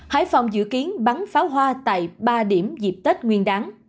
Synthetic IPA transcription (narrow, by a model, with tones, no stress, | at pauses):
ha̰ː˧˥jfa˨˩wŋ͡mzɨ̰˧˨ki˨˦ənɓa˨˦nfaː˨˦wɦwaː˧t̪a̰ː˧˨jɓaː˧ɗi˧˩əmzi˨˩p̚t̪e˦˥t̚ŋwi˧ənɗaː˨˦ŋ